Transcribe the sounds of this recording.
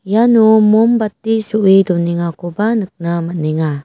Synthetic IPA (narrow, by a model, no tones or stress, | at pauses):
janumumbatːisuʔiduniŋakubanək̚namaneŋa